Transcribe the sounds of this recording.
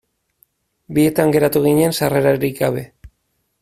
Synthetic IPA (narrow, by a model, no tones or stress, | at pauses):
bie̞t̪aŋɡe̞ɾat̪uɣ̞iɲe̞nsare̞ɾaɾiɣɡaβe̞